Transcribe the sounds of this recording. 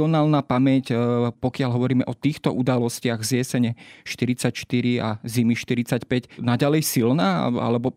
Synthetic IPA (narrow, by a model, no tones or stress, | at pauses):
ɔnaːlnaːpamɛcpɔkɪaʎɦɔʋɔɾiːmɛʔɔt̪iːxt̪ɔʔud̪alɔscɪaɣzɪɛsɛɲɛʃt̪iɾit͡sacʃt̪iɾiazimiʃt̪iɾit͡sacpɛcnaɟalɛjsilnaːa̰lɛbɔ